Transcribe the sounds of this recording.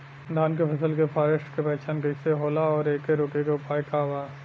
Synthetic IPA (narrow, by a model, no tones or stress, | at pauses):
d̪ʱaːnkepʰɐsəlkepʰaːɾeʃʈkepɛːt͡ʃaːnkɐɪseɦoːlaɔːɾeːkeɾoːkekeʊpaːjkaːʋaːz